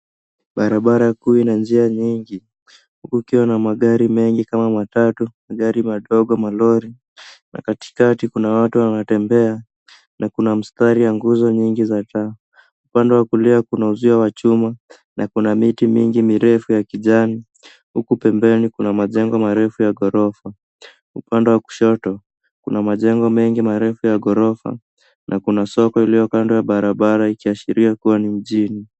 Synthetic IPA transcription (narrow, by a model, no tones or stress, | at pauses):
ɓaɾaɓaɾakuinand͡ʒiaɲiŋɡi | hukuikiwanamaɠaɾimɛŋɡikamamatatumaɠaɾimaɗɔɠɔmalɔɾi | na̰kati̥katikunawatuwanatɛmbɛa | nʔakunam̩staɾijaŋɡuzɔɲiŋɡizata | upandɛwakuliakunauziawat͡ʃuma | nʔakunamitimiŋɡimiɾɛfujakiʄani | hukupɛmbɛnikunamaʄɛŋɡɔmaɾɛfujaɠɔɾɔfa | upandɛwaku̥ʃɔtɔ | kunamaʄɛŋɡɔmɛŋɡimaɾɛfujaɠɔɾɔfa̰ | nʔakunasɔkɔilijɔkandɔjaɓaɾaɓaɾaikiaʃiɾiakuwanim̩ʄini